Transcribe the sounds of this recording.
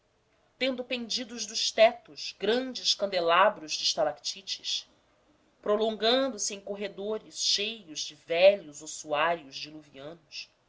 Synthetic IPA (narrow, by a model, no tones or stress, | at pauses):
t̪ẽnd̪ʊpẽnd͡ʒid̪ʊʒd̪ʊʃt̪ɛt̪ʊʃɡɾɐ̃nd͡ʒɪʃkɐ̃nd̪elabɾʊʒd͡ʒɪʃt̪alakt͡ʃit͡ʃɪʃ | pɾolõŋɡɐ̃nd̪ʊsɪẽj̃koɦed̪oɾɪsʃejʊzd͡ʒɪvɛʎʊzosuaɾjʊʒd͡ʒɪluviɐ̃nʊs